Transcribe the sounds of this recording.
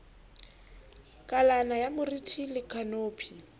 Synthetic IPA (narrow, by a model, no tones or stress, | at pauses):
kʼalanajamʊritʰilɪkʰʼanoːpʰi